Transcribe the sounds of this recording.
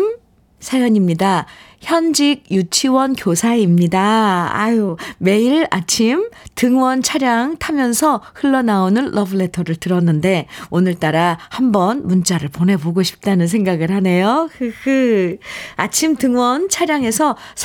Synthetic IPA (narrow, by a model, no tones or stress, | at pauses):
m | sʰajʌɲimɲidaçjʌnd͡ʑiɡ̚jut͡ɕʰiwʌnkjosʰaimɲidaa̰jome̞iɾa̰t͡ɕʰimtɯŋwʌnt͡ɕʰaɾjaŋtʰamjʌnsʰʌhɯɭːʌnaonɯnlʔʌbɯɭe̞tʰʌɾɯɭtɯɾʌnːɯnde̞onɯɭt͈aɾahambʌnmunt͡ɕ͈aɾɯɭpone̞boɡoɕʰi̥p̚t͈anɯns̬ʰe̞ŋɡaɡɯɾhane̞jokɯkɯ | at͡ɕʰimtɯŋwʌnt͡ɕʰaɾjaŋe̞sʰʌsʰ